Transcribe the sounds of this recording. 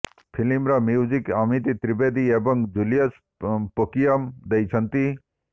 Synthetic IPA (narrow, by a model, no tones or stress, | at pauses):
pʰilimɾamjiwzikamit̪it̪ɾibed̪iebɐŋɡd͡ʒulijɐs | pokijɐmd̪ɐjt͡ʃʰɐnt̪i